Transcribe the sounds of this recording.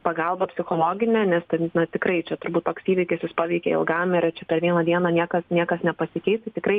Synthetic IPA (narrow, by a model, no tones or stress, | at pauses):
pɐɡɐlˠbɐpʲsʲɪxoːlˠoːɡʲɪnʲɛːnʲɛst̪ɐɪnɐt̪ʲɪkɾɐɪt͡ʃʲɛt̪ʊɾbuːt̪t̪oːksiːʋʲɪkʲɪsʲjɪspɑːʋʲɛɪkʲɛ̰ɪ̰lˠɡɐmɪɾt͡ʃʲɛpʲɛɾʋʲiɛnɐd̪ʲiɛnɐnʲiɛkɐsnʲiɛkɐsnʲɛpɐsʲɪkʲɛɪt̪tt̪ʲɪkrɐɪ